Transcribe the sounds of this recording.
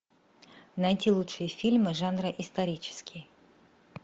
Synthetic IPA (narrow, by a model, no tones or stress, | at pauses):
nɐjtʲilˠutʂɨjəfʲilʲmɨʐanɾəʔɪst̪ɐɾʲit͡ɕɪ̥skʲɪj